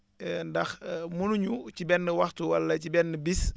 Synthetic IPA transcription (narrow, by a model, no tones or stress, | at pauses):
ndɐxmunuɲucibɛnːəwɐxtuwɐlːɐcibɛnːəbis